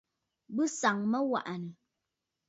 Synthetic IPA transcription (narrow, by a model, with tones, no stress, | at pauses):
bɨ˦sa˨ŋmə˦wa̰˨ʔnə˨